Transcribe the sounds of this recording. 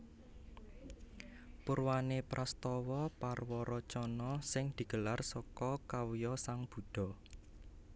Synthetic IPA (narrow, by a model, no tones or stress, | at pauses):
puɾwanepɾʔast̪ɔwɔparwɔɾɔt͡ʃɔnɔsɪŋd̪̥i̤ɡ̥ə̤larsɔkɔkawjɔsaŋb̥ṳd̪̥ɔ̤